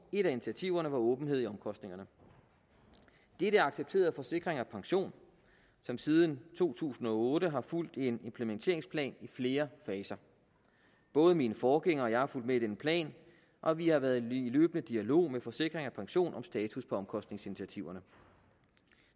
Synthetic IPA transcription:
e̝ɾæinit͡sʰiæt͡sʰiʊ̰ɐnəʋɑ̈ɔ̽ːb̥n̩e̝ð̰ˠɒ̽mkʰɒ̽sd̥ne̝ŋɐnə | d̥eɾəæɑ̈ɡ̥seb̥̚t͡sʰe̝̰ːɐð̩ˠfɒ̽se̝ɡ̥ʁeŋæpʰɑ̈ŋɕo̝̰ːn | sɒ̽msiːð̞ˠnt͡sʰo̝̰ːt͡sʰṵːsn̩ɒ̽ɔ̽ːɾəɦɑ̈ful̰d̥e̝ne̝mpʰlement͡sʰe̝ɐeŋspʰlɛ̰ːnifle̝ːɐfɛːsɐ | b̥ɔ̽ːð̞ˠəminəfɒːɡ̥eŋɐɒ̽jɑ̈ɪhɑ̈ful̰d̥meid̥enəpʰlɛ̰ːn | ʔɒ̽ʋihɑ̈ʋæːɐðˠilø̰ːb̥ənəd̥iælo̝̰ːmefɒ̽se̝ɡ̥ʁeŋæpʰɑ̈ŋɕo̝̰ːnʔɒ̽msd̥ɛːt͡sʰuspʰɒ̽ɒ̽mkʰɒ̽sd̥ne̝ŋsinit͡sʰiæt͡sʰiʊ̰ɐnə

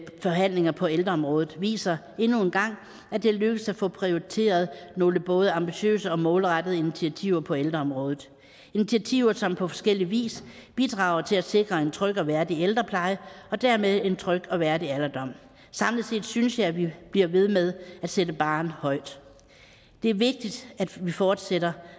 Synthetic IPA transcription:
fɒ̽ɦæn̰le̝ŋɐpʰɒ̽eld̥ʁɐɒ̽mʁɔ̽ːð̩ˠʋḭːsɐ | e̝nue̝nɡ̥ɑ̈ŋ̰ | æd̥e̝løɡ̥əsæfɔ̽pʰʁioʁit͡sʰe̝̰ːɐð̞ˠno̝ːləb̥ɔ̽ːð̞ˠəɑ̈mb̥iɕø̰ːsəɒ̽mɔ̽ːlʁad̥əð̞̩ˠi̝nit͡sʰiæt͡sʰiʊ̰ɐpʰɒ̽eld̥ʁɐɒ̽mʁɔ̽ːðð̩ˠ | i̝nit͡sʰiæt͡sʰiʊ̰ɐsɒ̽mpʰɒ̽fɒ̥̽sɡ̥el̰iʋḭːsb̥id̥ʁɑ̈ːʊɐt͡sʰe̝læse̝ɡ̥ʁɐe̝nt͡sʰʁœɡ̥ɒ̽ʋæɐdield̥ʁɐpʰlɑ̈ɪəɒ̽d̥æɐmeðˠe̝nt͡sʰʁœɡ̥ɒ̽ʋæɐdiælɐd̥ɒ̽m̰ | sɑ̈mlise̝̰ːd̥synsjɑ̈ɪʋib̥liɐʋe̝ð̞ˠmeðˠæd̥sedəb̥ɑ̈ːnhɒ̽ɪ̰d̥ | d̥e̝æɐʋe̝ɡ̥̚d̥id̥æd̥ʋifɒːd̥seɾɐ

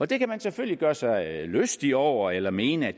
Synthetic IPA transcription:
ɒ̽d̥e̝kæmænseføl̰liɡ̥ɶːɐsɑ̈ɪløsd̥iɒʊ̰ɐelɐme̝ːnəæ̥

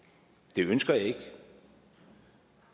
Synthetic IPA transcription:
d̥e̝ønsɡ̥ɐjɑe̝ɡ̥

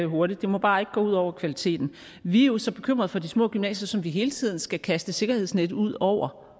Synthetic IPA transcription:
ɦo̝ɐɾ̥id̥̚ːe̝mɒ̽b̥ɑ̈ːe̝ɡ̥əɡ̥ɔ̰ːuðˠɒʊ̰ɐkʰʋælit͡sʰe̝̰ːd̥n̩ | ʋiæjosɒ̽b̥e̝kʰøm̰ʁɐð̞̩ˠfɒ̽d̥ismɔ̰̽ːɡ̥ymnɛ̰ːsɐsɒ̽mʋiɦe̝ːlət͡sʰið̞̰ˠn̩sɡ̥ækʰæsd̥əse̝ɡ̥ɐheð̰ˠsned̥̩uð̞̰ˠɒʊ̰ɐ

